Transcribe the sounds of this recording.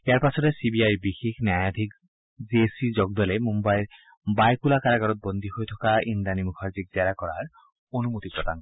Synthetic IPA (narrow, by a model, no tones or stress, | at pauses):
eaɾpat͡ɕʰɔd̪esibiajbixikʰnjajad̪ʰʱik | d͡ʑiesid͡ʑɔɡ̚d̪ɔlemumbaeɾ | bajkulakaɾaɡaɾɔt̪̚bond̪ʱiɦojt̪ʰɔkaind̪animukʰaɾd͡ʑik̚d͡ʑaɾakɔɾaɾ | onumut̪ipɾot̪aŋ